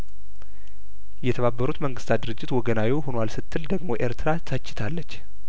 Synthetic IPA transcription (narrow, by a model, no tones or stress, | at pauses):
jɛt̪ʰəβabːəɾut̪məŋɡɨst̪ʰat̪̚d̪ɨɾɨd͡ʒːɪt̪wɔɡənawiwhonwalsɨt̪ʰːɨld̪əɡmo̞ʔe̞ɾt̪ʰɨɾat̪ʰat͡ʃːɪ̥t̪ʰalːət͡ʃː